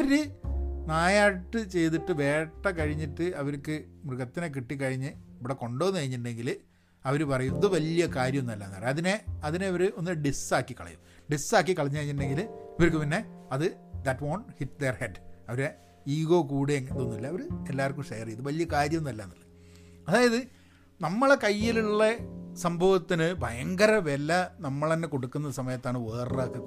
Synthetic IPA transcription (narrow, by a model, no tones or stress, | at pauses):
ɐɾɨnaːjaːʈːɨt͡ɕe̞jt̪iʈːɨʋe̞ːʈːɐkɐɻiɲːiʈːɨɐʋɐɾkːɨmruɣɐt̪ːinek̬iʈːik̬ːɐɻiɲːɨiʋiɽeko̞ɳɖo̞ːnɨkɐɻiɲːitɨɳɖeŋɡil | ɐʋɐɾupɐrɐjumɐðɨʋɐlijɐkaːɾjɐmnɐlːɐːnːɐrɐðineɐðineɐʋɐɾuo̞nːiɖisaːkːikːɐɭɐ̰jṵmɖisaːk̬ːikːɐɭɐɲːɐɻiɲːitːɳɖeŋɡilɐʋɐɾukːɨpinːe̞ɐðɨ | d̪ɐtʋoːɳhit̚d̪erheɖɐʋɐɾe | iːɣo̞ːkuːɽeŋɐðonːilːɐɐʋɐɾuelːaːrkːumʂɐjɐriɐðɨʋɐlijɐkaːɾjɐmnɐlːaːnːɐlːɨ | ɐðaːjɐðɨ | nɐmːɐɭekɐjːiluɭːesɐmbʱɐʋɐt̪ːinɨbʱɐjɐŋɡɐɾɐʋelːɐnɐmːɐɭenːeko̞ɽukːunːɐsɐmɐjɐt̪ːaːɳɨʋeːraːkːɨ